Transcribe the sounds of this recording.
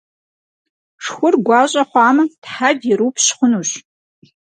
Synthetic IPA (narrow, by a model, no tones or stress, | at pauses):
ʂxʷʊrɡʷɑːɕʼɐχʷɑːmɨtħadɪɾuwpʰɕχʷʊnuːɕ